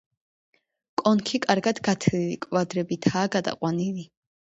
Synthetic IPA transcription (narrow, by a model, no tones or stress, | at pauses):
kʼɔnkʰikʼaɾɡad̪ɡat̪ʰilikʼvad̪ɾɛbit̪ʰaːɡad̪a̰qʼwanili